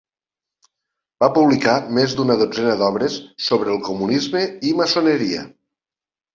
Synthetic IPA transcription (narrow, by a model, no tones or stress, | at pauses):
b̥apuβlikamezd̪unəðod͡zɛnəðɔβɾəsːoβɾəːlˠkumunizməiməsonəɾiə̰